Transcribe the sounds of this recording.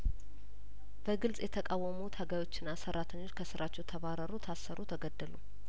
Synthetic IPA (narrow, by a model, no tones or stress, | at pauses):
b̥əɡɨlsʼjɛt̪ʰəkʼawːəmut̪ʰaɡajwo̞t͡ʃːɪnːasəɾʔat̪ʰəɲːot͡ʃːkʰəsɨɾʔat͡ʃːɛwt̪ʰəβaɾəɾut̪ʰasːəɾʔut̪ʰəɡəd̪ːəlu